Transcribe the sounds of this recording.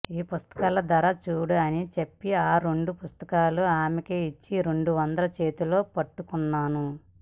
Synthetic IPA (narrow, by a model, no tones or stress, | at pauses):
iːpust̪ɐ̥kaːlɐd̪ɐɾɐt͡ʃuːɽɐɐnit͡ʃepːiaːɾeɳɖupust̪ɐ̥kaːluaːmikeːit͡ʃːiɾeɳɖuʋɐnd̪ɐlɐt͡ʃe̞ːt̪ulo̞ːpɐʈːukunːaːnu